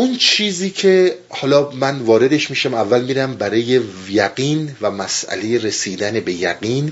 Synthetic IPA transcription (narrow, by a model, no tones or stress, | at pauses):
unt͡ʃʰiːziːcʰe | hɒːlɒːmænvɒːɾe̞d̪e̞ʃmiːʃæmævːælmiɾæmbæɾɒːje̞ | jæɡiːnvæmæsʔæ̰le̞je̞ɾe̞siːd̪ænebe̞jæɡiːn